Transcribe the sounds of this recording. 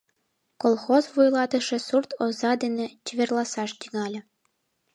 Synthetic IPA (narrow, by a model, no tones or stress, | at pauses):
kolˠxozβujlˠɑt̪ɤ̆ʃĕsurt̪ozɑd̪enʲĕt͡ɕɘvʲerlˠɑsɑʃt̪ʲiŋɑlʲɤ̆